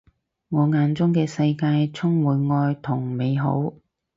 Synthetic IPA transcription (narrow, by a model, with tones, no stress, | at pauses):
ŋɔː˨˧ŋaː˨˧nt͡sʊ˥ŋkɛː˧sɐ˧jkaː˧jt͡sʰʊ˥ŋwuː˨˧jŋɔː˧jt̪ʰʊ˨˩ŋme˨˧jɦo̰˨˥w